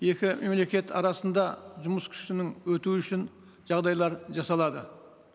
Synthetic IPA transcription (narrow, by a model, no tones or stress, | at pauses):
je̞kʲɪme̞mle̞kʲe̞t̪ʰɑ̰ɾɑsənd̪ɑʒʊməskʲʰʏ̥ʃɪnɪŋwɵt̪uʏʃɪn | ʒ̥ɑʁd̪ɑjlˠɑɾʒɑsɑlˠɑd̪ə